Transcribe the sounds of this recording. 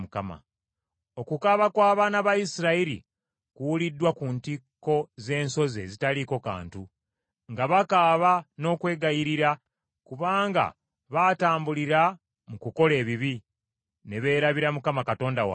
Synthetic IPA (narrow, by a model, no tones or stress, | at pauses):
mukama̰ | o̞kukaβakwaːβaːnaβajisiɾaiɾḭ | kuwulidːwakuntikːo̞ze̞ːnso̞ze̞̰zitaliko̞ka̰ːntu | ŋɡaβakaːβano̞ːkwe̞ːɡajiɾiɾa | kuβaːŋɡa̰ | βataːmbuliɾa | mukuko̞le̞ːβiβi | ne̞βe̞ːɾaβiɾamukamakato̞ːndawa̰